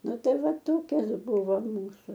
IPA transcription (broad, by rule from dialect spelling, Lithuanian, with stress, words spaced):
ˈnʊ ˈtɐɪ ˈʋɐ ˈtoːkʲɛs ˈbʊʋoː ˈmuːsʊ